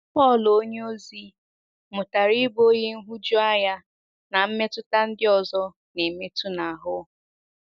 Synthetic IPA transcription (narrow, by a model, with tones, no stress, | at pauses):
pɔ˦˨lo˦ɲe˦o˦zi˦ | mʊ˨ta˨ɾi˦bo˦je˦n̩˦ɦu˦d͡ʒʊ˦a˦ja˦ | na˨m̩˦me˦tʊ˦ta˦n̩˦dɪ˦ɔ˨zɔ˦ | ne˨me˦tu˦na˨a˨ɦʊ˦